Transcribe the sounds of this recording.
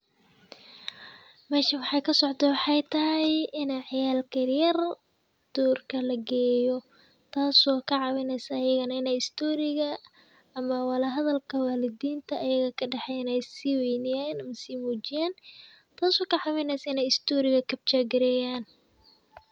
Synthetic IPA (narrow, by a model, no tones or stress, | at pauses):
mɛːʃɐwɑħɑjkʰɐsɔʕt̪ʰɛwɑħɑjt̪ʰɐɦɛjɪnɛʕɑjaːlkʰɐrjɐr | d̪̥uːrkʰɐlɐɡɛːjɔ | t̪ʰaːsɔːkʰɐʕɑwɛnɛjsɐːjɐɣɐnɐɪnɛjɪst̪ʰɔːɾɪɣɐ | ɐmɐwɑlɐɦɐðɐlkʰɐwaːlɪd̪iːnt̪ʰɐːjɐɣɐkʰɐɖɑħɛjnɛjsɪwɛjnɪjanɐmɐsiːmuːt͡ʃɪjaːn | t̪ʰaːsɔːkʰɐʕɑwɛnɛjsaɪnɛjɪst̪ʰɔːɾɪɣɐkʰɐb̚t͡ʃaːɡɪɾɛːjaːn